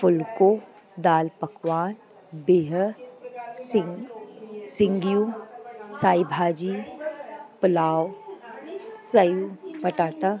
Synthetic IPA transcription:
fʊlko | d̪aːlpɐkwaːn | beːɦə | sɪ | sɪ̃ŋɡjũ | saːjbʱaːd͡ʒi | pʊlaːw | səjuːpɐʈaːʈa

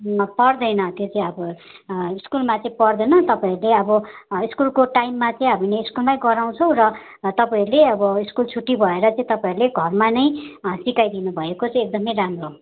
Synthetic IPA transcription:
pʌrd̪ʌjnʌt̪jot͡sʌĩʌbʌiskulmat͡sʌ̃ĩpʌrd̪ʌjnʌt̪ʌpaiɾuleʌbʌiskulkoʈajmːat͡sʌĩɦʌmineiskulmajɡʌɾaw̃t͡sʰʌ̃w̃rʌ | t̪ʌpaiɾuleʌbʌiskult͡sʰuʈːibʱʌeɾʌt͡sʌ̃ĩt̪ʌpaiɾuleɡʱʌrmanʌj̃sikajd̪inubʱʌekot͡sʌj̃ek̚d̪ʌmʌjɾamro

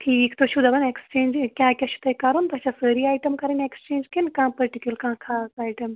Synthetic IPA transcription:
ʈʰiːkt̪oʃʰud̪ɐbɐnekst͡ʃẽːnd͡ʒkʲjaːkʲaʃʰu̥t̪ʰɐkɐɾunt̪oɐt͡ʃʰasəːɾiaːjʈɐmkɐɾinekst͡ʃẽːnd͡ʒkinkãːpɐɾʈikʲjulkãːkʰaːsaːjʈɐm

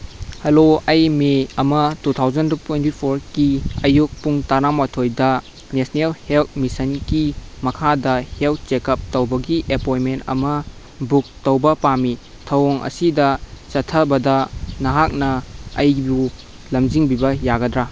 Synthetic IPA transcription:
hɐloɐjmeɐmɐtutʰawzɐntutwentipʰoɾkiɐjuk̚puŋtaɾamatʰojdɐ | nesnelhelt̚misɐnɡimɐkʰadɐhel̚t͡ʃekɐp̚tɐwbɐɡiʔepojmentɐ̰mɐ | buk̚tɐwbɐpami | tʰɐwoŋʔɐ̰sidɐsɐtʰɐbɐdɐnɐɦak̚nɐːjbu | lɐmziŋbibɐjaɡɐdɾa

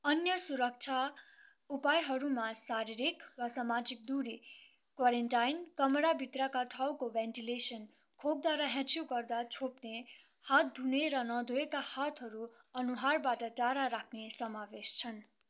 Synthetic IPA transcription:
ʌnjʌsuɾʌk̚t͡sʰa | upajɦʌɾumasaɾiɾikwasamad͡zik̚d̪uɾi | kwaɾenʈajnkʌmʌɾabʱit̪rʌkaʈʰawkobenʈilesʌn | kʰok̚d̪waɾaɦãt͡sjoɡʌrd̪at͡sʰopne | hat̪̚d̪ʱuneɾʌnʌd̪ʱoekahat̪ʰɦʌɾu | ʌnuɦarbaʈʌʈaɾaɾakʰnesʌmabest͡sʰʌn

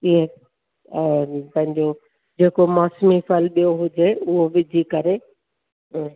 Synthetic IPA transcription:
ie | pɐ̃ɦɪ̃ɲd͡ʑo | d͡ʑeːkomɔːsmifɐlɓijoɦʊd͡ʑeʊɦoʋɪd͡ʑʱikɐɾe

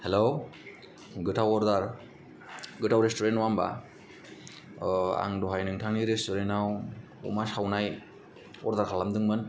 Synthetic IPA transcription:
helo | ɡɯtʰawɔɾdaɾ | ɡɯtʰawɾestɔɾentwamba̰ | a̰ŋdɔɦajnɯŋtʰaŋniɾestɔɾenaw | ɔ̰masawnaj | ɔ̰ɾdaɾkʰalamdɯŋmɯn

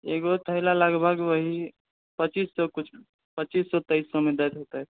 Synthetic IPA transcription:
eɡot̪ʰəɦlaləɡbʱəɡʋəɦi | pət͡ʃisːɔkut͡ʃʰ | pət͡ʃisːɔt̪əisːɔmed̪ajt̪ɦot̪aɦɛ

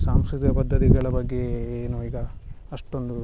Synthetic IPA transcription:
saːmskɾit̪ijɐpɐd̪ʱːɐt̪iɡɐɭɐbɐɡːeeːnuiːɡɐː | ʂʈo̞nd̪u

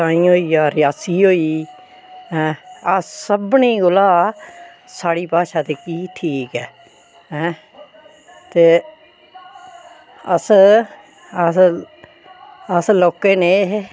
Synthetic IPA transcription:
ãːĩːɦoːiːaːɾɪjaːsiːɦoːiː | ɦɛ̃ːasəbɳĩːɡʊlaː | saːɽiːpaːʃaːt̪eːkiːʈʰiːkɛː | ɦɛ̃ː | t̪eː | əs | ə | əsloːkeːneː

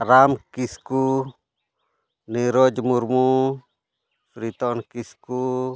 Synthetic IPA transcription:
ɾamkisku | niɾod͡ʒmuɾmu | fɾit̪ɔnkisku

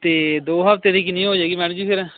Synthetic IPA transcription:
t̪eːd̪oːɦəpt̪eːɾiːkinĩːɦoːd͡ʒeːɡiːmɛːnõd͡ʒiːpʰɪɾ

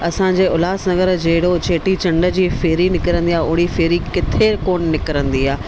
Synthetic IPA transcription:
ɐsãɲ̆d͡ʑeːʊlaːsnɐɡəɾd͡ʑeːɦɪɽot͡ɕeːʈit͡ɕɐ̃ɳɖə̆d͡ʑiːfɪːɾinɪkəɾə̃nd̪iaːʊɦifeːɾikɪt̪ʰekoːnnɪkəɾə̃nd̪iaː

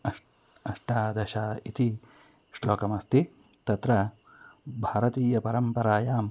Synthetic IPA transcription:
ɐ | ɐʂʈaːd̪ɐʃaːit̪i | ʃloːkɐmɐst̪i | t̪ɐt̪ɾɐ | bʱaːɾɐt̪iːjɐpɐɾɐmpɐɾaːjaːm

